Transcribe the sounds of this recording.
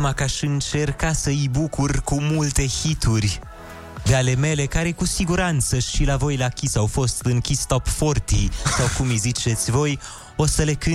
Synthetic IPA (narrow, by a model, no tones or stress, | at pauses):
makaʃɨnt͡ʃe̞rkasəɨjbukurkumult̪e̞çit̪urʲ | d̪eale̞me̞le̞kaɾe̞kusiɡuɾant̪səʃilavo̞jlakʲisawfo̞st̪ɨŋkʲist̪opfo̞rt̪isawkumizit͡ʃe̞t̪sʲvo̞j | o̞səle̞kɨ